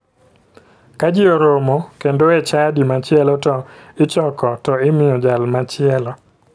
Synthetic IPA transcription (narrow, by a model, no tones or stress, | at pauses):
kad͡ʒioɾomokendoɛt͡ʃadimat͡ʃɪɛlɔtɔɪt͡ʃɔkɔtɔɪmɪɔd͡ʒalmat͡ʃɪɛlɔ